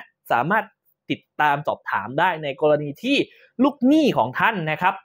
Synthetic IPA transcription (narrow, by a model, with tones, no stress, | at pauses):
sa̰ː˩˦maː˥˩t̪̚ː | i˨˩t̪ːaː˧msɔ̰ː˨˩p̚t̪ʰaː˩˦mdaː˥˩jna˧jkɔː˧ɾa˧niː˧t̪ʰiː˥˩ | luː˥˩k̚niː˥˩kʰɔː˩˦ŋt̪ʰa˥˩nːa˦˥kʰɾa˦˥p̚